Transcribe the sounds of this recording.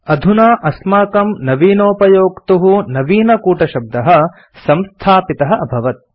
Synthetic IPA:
ɐd̪ʱunaːʔɐsmaːkɐmnɐʋiːnoːpɐjoːkt̪uɦunɐʋiːnɐkuːʈɐʃɐb̚d̪ɐɦɐ | sɐmst̪ʰaːpit̪ɐɦɐɐbʱɐʋɐt̪̚

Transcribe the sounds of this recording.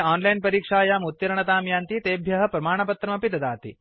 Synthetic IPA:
ɔːnlajnpɐɾiːkʂaːjaːmut̪jɐɾɐɳɐt̪aːmjaːnt̪iːt̪eːbʱjɐɦɐ̆pɾɐmaːɳ̃ɐpɐt̪ɾɐmɐpit̪ɐd̪aːt̪ḭ

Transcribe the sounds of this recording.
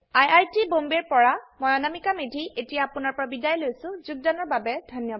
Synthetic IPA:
ajajtibombɛɹpɔɹamɔjanamikamedʱiʔetijaːpʊnaɹpɔɹabidajlojsʊ̃zuɡ̚danɔɹbabɛdʱɔnjɔ

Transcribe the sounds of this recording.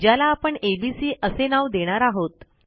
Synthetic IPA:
d͡ʑjalaːpəɳebisiːʔəsenaʋd̪eɽ̃aɾaɦot̪

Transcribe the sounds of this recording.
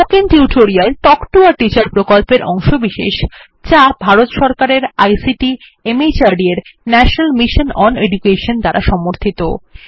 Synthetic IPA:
okint̪iuʈʰoɾialʈɔkʈoaʈit͡ɕaɾpɾokolpeɾʔɔŋʃobiʃḛʃ | t͡ɕabʱaɾot̪ʃɔɾkaɾeɾa̰jsiʈi | emit͡ɕaɖieɾnɛʃonalmiʃonɔned͡ʑukeʃond̪aɾʔaʃɔmoɾt̪ʰit̪o̰

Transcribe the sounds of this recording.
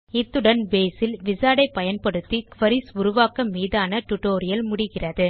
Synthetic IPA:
ɪt̪ːɯɽɐnbeːsɪlʋɪsaːɽɐɪpːɐjɐnpɐɽɯt̪ːikʋɐɾisʊɾʊʋaːkɐmːiːðaːnɐʈʊʈːoːɾɪjɐlmʊɽɪɣɪrɐðɯ

